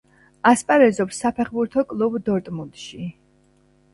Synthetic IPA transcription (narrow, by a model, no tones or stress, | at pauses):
aspʼaɾɛzɔpsːapʰɛχbuɾt̪ʰɔkʼlˠubd̪ɔɾt̪ʼmunt̪ʼʃi